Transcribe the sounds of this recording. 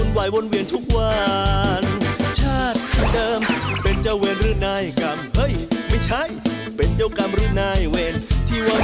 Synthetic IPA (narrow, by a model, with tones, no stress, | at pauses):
u˧nwaː˨˧˩jbo˧nwi˧ənt̪ʰu˦˥k̚wa˧nt͡ɕʰaː˥˩t̪̚dɤː˧mpe˧nt͡ɕa˧˩weː˧nɾɯː˧˩naː˧˥˩jka˧mhɤ˦˥˩jma˥˩jt͡ɕʰa˦˥˩j | pe˨˧nt͡ɕa˧˥˩wka˧mɾɯ˧˥˩naː˧˥˩jweː˧nt̪ʰiː˧˥˩wa˧